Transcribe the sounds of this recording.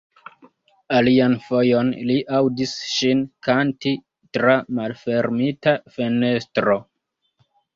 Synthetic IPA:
alianfo̞jo̞nliʔawdisʃinkanti | tɾamalfe̞ɾmitafe̞ne̞stɾo̞

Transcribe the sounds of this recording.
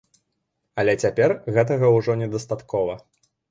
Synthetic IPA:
ɐlʲɛt͡sʲapʲɛrɣɛt̪̬ɐɣɐwʐɔnʲɛd̪ɐst̪at̪kɔvɐ

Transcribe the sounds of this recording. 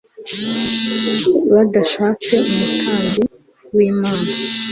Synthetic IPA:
βadaʃaːt͡se̞umutʰaːŋɡi | wiːmaːna

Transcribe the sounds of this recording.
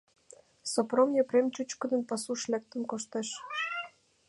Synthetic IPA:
sopromjɤpremt͡ɕut͡ɕkə̆nə̆npɑsuʃlek̚t̪ə̆nkoʃt̪eʃ

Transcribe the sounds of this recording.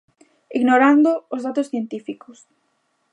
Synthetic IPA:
iɣnoɾand̪ʊːzðat̪ʊsθjent̪ifikʊs

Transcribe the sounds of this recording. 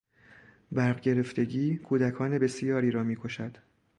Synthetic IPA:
bæɾɢɟe̞ɾe̞ft̪e̞ɟiːkʰuːd̪ækʰɒːne̞be̞sijɒːɾiːɾɒːmiːkʰo̞ʃæd̪̥

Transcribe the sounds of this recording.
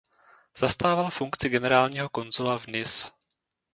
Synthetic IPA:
z̥ast̪aːvalfuŋkt͡sɪɡɛnɛɾaːlɲiːɦoko̞nzulavnɪs

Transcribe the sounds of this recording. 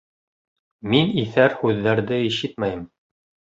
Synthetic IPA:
miniθæɾhʉðːæɾðɘiʃɘt̪̚mæjɘm

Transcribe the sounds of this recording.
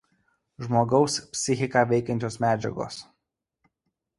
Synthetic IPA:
ʒmoːɡɒʊspʲsʲɪxʲɪkaːʋʲɛɪkʲɛnʲt͡ʃʲoːsmʲæːd͡ʒʲɛ̰ɡo̰ːs

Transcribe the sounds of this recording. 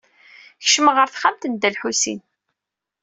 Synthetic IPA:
çə̥ʃməʁəɾθχamt̪ənd̪ælħusḭn

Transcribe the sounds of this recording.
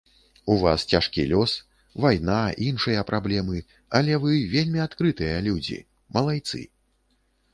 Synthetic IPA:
uvast͡sʲaʂkʲilʲɔs | vajnaʔinʂɨjɐpɾʔablʲɛmɨ | ɐlʲɛvɨvʲelʲmʲiat̪kɾɨt̪ɨjɐlʲud͡zʲḭ | mɐlˠajt̪sɨ̰

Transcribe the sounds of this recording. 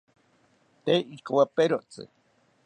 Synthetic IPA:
t̪eikowapeɾoʔt͡sɨ̰

